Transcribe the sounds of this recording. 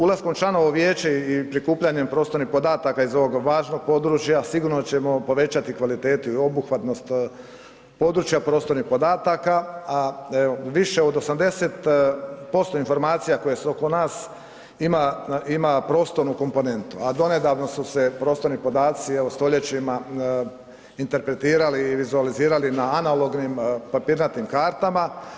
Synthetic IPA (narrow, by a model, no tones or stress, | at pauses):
ulˠasko̞mt͡ʃlˠano̞ʋo̞ʋjeːt͡ɕeipɾikuːpʎaɲempɾo̞ːst̪oɾnihpo̞d̪aːt̪akaizo̞ʋo̞ɡʋaːʒno̞ɡ̚po̞d̪ɾut͡ʃjasiɡuɾnot͡ɕe̞mo̞po̞ʋe̞t͡ɕat̪ikʋalit̪e̞ːt̪uio̞buxʋat̪no̞st̪ | po̞d̪ɾut͡ʃjapɾo̞ːst̪o̞ɾnixpo̞d̪aːt̪akaaeoʋiʃeod̪osamd̪e̞set̪po̞st̪o̞info̞ɾmaːt̪sijako̞jeseo̞ko̞naːs | imaimapɾo̞ːst̪o̞ɾnuko̞mpo̞ne̞nt̪uad̪o̞ne̞d̪aʋno̞susepɾo̞ːst̪o̞ɾnipo̞d̪aːt̪sieʋost̪o̞ʎe̞t͡ɕima | int̪e̞ɾpɾe̞t̪iːɾaliːʋizualiziːɾalinaːnalo̞ɡnimpapiːɾnat̪imkaːɾt̪ama